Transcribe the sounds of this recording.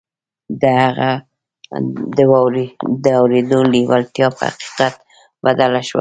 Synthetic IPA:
d̪əhaɣa | d̪əwawɾd̪əawɾed̪oliwalt̪jɑpə̰ha̰qi̥qat̪ | bad̪alaʃwa̰

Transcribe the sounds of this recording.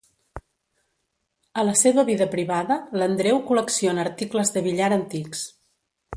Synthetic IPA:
ələseβəβiðəpɾiβaðələnd̪ɾewkuləksionəːɾt̪ikləzðəβ̞iʎaɾənt̪iks

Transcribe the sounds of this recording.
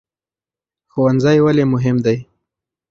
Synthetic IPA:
xowanzajwalemʊɦɪmd̪aj

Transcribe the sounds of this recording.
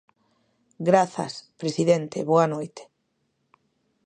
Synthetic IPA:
ɡɾaθɐ̰spɾesiðent̪eβoanojt̪e̥

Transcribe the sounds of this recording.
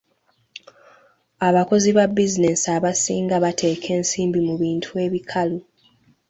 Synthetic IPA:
aβako̞ziβabːizine̞saβasiːŋɡaβatʰe̞ːkʰe̞ːnsiːmbimuβiːntʰue̞βikʰalu

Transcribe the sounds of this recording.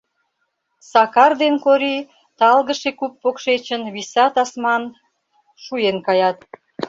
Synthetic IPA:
sɑkɑrd̪enkoɾi | t̪ɑlɣəʃekupːokʃet͡ɕənβisɑt̪ɑsmɑn | ʃujenkɑjɑt̪̚

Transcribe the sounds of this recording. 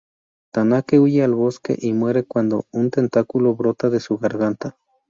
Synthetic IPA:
t̪anakeujealβoskḛʔimweɾekwand̪ount̪ent̪akuloβɾot̪aðesuɣaɾɣant̪a

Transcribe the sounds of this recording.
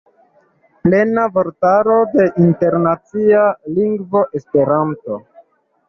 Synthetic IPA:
ple̞navoɾtaɾo̞de̞ʔinte̞ɾnat͡sialiŋɡvo̞ʔe̞spe̞ɾanto̞

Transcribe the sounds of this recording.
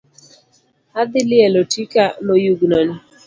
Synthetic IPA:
ad̪ɪlɪɛlotikamojuɡnɔni

